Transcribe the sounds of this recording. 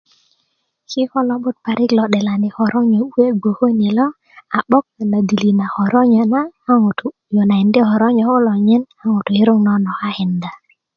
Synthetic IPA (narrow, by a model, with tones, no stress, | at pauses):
kɪ˦hɔ˦lɔ˦bʊ˦t̪̚pa˨ɾʔɪ˦klɔ˨ɗɛ˨la˨nɪ˨hɔ˨ɾʔɔ˦ɲo˨we˦ɡo˨ho˦ne˨lɔ˦ | a˨ɓɔ˦k̚a˨na˨d̪i˨li˨na˨hɔ˨ɾɔ˦ɲa˨na˦ŋ˨t | jɔ˨na˨ɪ˨ndɪ˦hɔ˨ɾɔ˦ɲɔ˨ɔ˦lɔ˨ɲɛ˦na˦ŋo˨to˨ɪ˦ɾʊ˦ŋnɔ˦nɔ˨a˦hɪ˨nda˨